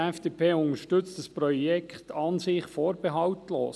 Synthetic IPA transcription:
ɛfd̥eːpʰeːʊnəʃtʏt͡st̪d̥əsprɔjɛkχt̪ɑnsɪχfoːɾbeɦɑwtlo̰ːs

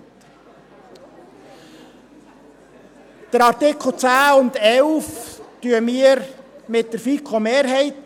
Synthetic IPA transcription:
d̥əɾɑɾtɪkʰl̩ˠt͡sæːʊndɛlftyəmiəɾmɪt̚d̥əɾfikʰomeːɾɦɛɪt

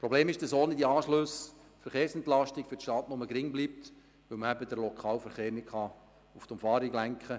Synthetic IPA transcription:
pɾobleːmɪʃd̥əsoːnɪdiɑːʃløs | fəɾχeːɾsɛnt̪lɑʃtɪkfʏtʃtɑːtnʊməɡɾɪŋblip̚t̪ | ʋɵwməæbədəɾlokʰɑːlfəɾχeːɾnɪt̚kχɑ | uftʊmfɑːɾiɡlæŋkχə

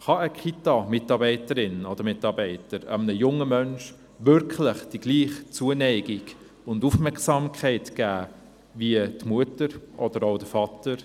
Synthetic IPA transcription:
χɑəkχitɑmɪtɑːbɛɪtəɾɪnɔd̥̪əɾmɪtɑːbɛɪtəɾə̰mənəjʊŋːəmœnʃ | vʏɾkʰləχd̥iɡ̥liːχt͡suənɛɪɡɪɡ | ʊndufmɛksɑmkʰɛɪtɡ̥æː | viətmuətəɾʔɔd̥əɾoʊd̥əfɑtəɾ

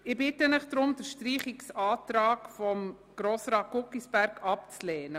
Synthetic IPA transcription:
ɪbɪtənɪχd̥ɾʊmd̥əɾʃtriːχiksɑːtɾɑːkfɔm | ɡ̥ɾoːsrɑːt̚ɡ̥ʊkːisb̥æɾkɑp̚t͡slɛːnə

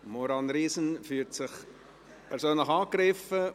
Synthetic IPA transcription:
mɔɾɑnɾiːsənfyːtsɪχ | pʰɛɾsøːnləχɑːkɾɪfə

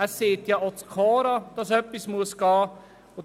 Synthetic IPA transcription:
æseːt̪jɑot͡skʰɔːɾɑd̥ɑsœpːismuəsɡ̥ɑː | o

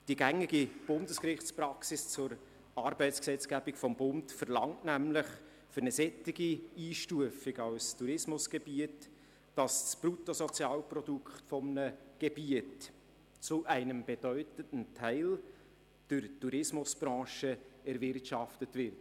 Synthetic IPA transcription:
d̥iɡæŋːiɡib̥ʊndəskrɪχt͡sprɑksɪst͡sʊɾ | ɑːɾbɛɪt͡sksɛt͡sɡæbikfɔmbʊntfəɾlɑŋtnæmlɪχ | fʏɾnəsɛtɪɡiiːʃtuəfɪɡɑwstuɾɪsmʊsɡ̥ɛb̥iətː | d̥ɑsspɾutosɔt͡sjɑːlprɔdukχtfɔmnəɡ̥ebiət | t͡sʊʔæɪnəmb̥ɛd̥œʏtəntəntʰæɪl | d̥əɾtuɾɪsmʊsb̥ɾɑ̃ːʃəɛɾvɪrtʃɑftətvɪrt

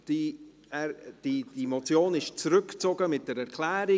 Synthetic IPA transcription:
d̥i | ɛɾd̥id̥imɔt͡sjoːnɪʃt͡sɾʏkt͡sɔɡəmɪt̚d̥ɛɾɛɾkʰlɛːɾi

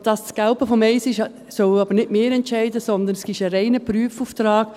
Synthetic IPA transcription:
d̥ɑssɡ̥aʊpəfɔmɛɪsɪʃ | sœwɑbəɾnɪdmɪːɾɛntt͡ʃɛɪdəsɔnd̪ənsɡ̥ɪʃəɾɛɪnəpɾyəfuːft̪ɾɑːɡ̥

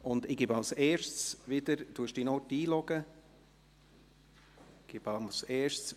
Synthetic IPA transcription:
ʊnd̪ɪɡɪbɑlseːʃsʋɪdəɾd̥uːʃd̥inɔːtiːlɔɡə | ɡ̥ɪbɑseːʃs

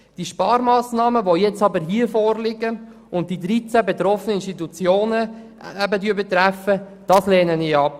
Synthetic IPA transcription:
d̥iʃpɑːɾmɑːsnɑːməʋojɛt͡sɑbəɾɦiəfɔːrlɪɡə | ʊnt̚d̥idɾit͡sæbetɾɔfənəɪnʃtitut͡sjoːnə | æbədyəbet̪ɾæfəd̥ɑslɛːnəniɑp̚

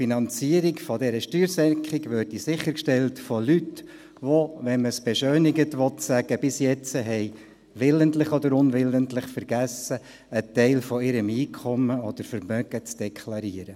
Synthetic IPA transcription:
finɑnt͡siəɾikfɔdɛɾəʃtyːɾsɛɾkχɪɡʋøːɾdisɪχəɾkʃtɛltfɔlyt | ʋoʋɛnməsb̥ɛʃøːnɪɡətʋɔtsæɡ̥əb̥ɪsjɛt͡səɦɛɪ | ʋɪləntlɪχɔd̪əɾʊnʋɪləntlɪχfəɾɡ̥æsəː | tɛɪlfɔɪɾəmiːkʰɔməɔd̥əɾfəɾmœɡət͡sd̥ɛkʰlɑɾiːəɾə

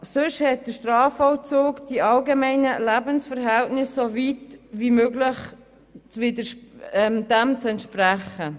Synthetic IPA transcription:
sʏʃhɛt̚d̥əʃtrɑːfɔwt͡soːkd̥iʔɑlɡemɛɪnəlæbənsfəɾɦɛltnɪsːovitvimøːɡlɪ | t͡svɪdəʃɛmd̥ɛmt͡sɛntʃpræχə

